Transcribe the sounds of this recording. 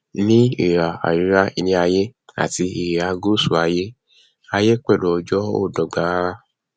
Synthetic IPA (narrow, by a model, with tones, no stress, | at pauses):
nĩ˦e˨ɾa˨a̰˨ɾi˨˦ɾa˦i˧nĩ˦a˧je˦a̰˨ti˧i˨ɾa˧ɡo˦˨su˨a˧je˦ | a˧je˦k͡pɛ˦˨lo˨ɔ˧d͡ʒɔ˦o̰˦˨dɔ˨ɡ͡ba˨˦a˦